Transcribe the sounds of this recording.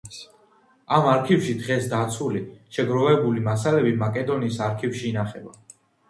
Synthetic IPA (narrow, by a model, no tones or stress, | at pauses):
amaɾkʰivʃid̪ʁɛsd̪at̪sʰuliʃɛɡɾɔvɛbulimasalɛbimakʼɛd̪ɔniːsaɾkʰivʃiːnaχɛba̰